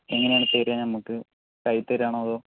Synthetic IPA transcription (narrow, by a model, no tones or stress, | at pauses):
eŋːɐneaːɳɨp̪eːɾaːɲɐmːukːɨ | kɐjt̪ːeɾaːɳoːɐðo̞ː